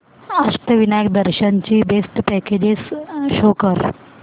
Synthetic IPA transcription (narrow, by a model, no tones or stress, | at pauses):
asʈ̪əʋinajək̚d̪əɾɕant͡ɕiːbesʈpɛked͡ʑesʃokəɾ